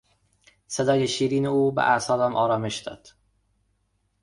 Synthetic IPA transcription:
sed̪ɒːjeʃiːɾiːneuːbḛʔæsɒːlæmʔɒːɾɒːme̞ʃd̪ɒ̰ːd̪̥

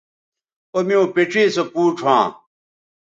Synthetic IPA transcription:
omiõpeʈ͡ʂeːsopuːʈ͡ʂʰãː

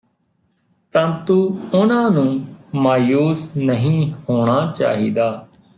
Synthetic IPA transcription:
pənt̪uːʊnãːnũːmaːjuːsnəɦĩːhoːɽ̃aːt͡ʃa̰ːɦḭːd̪aː

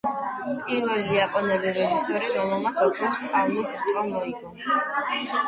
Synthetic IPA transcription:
pʼiɾwɛliapʼɔnɛbiɾɛd͡ʒisɛɾɾɔmɛlˠmat̪sʰɔkʰlɔskʰʼaɾlisɾt̪ʼɔmɔiɡɔn

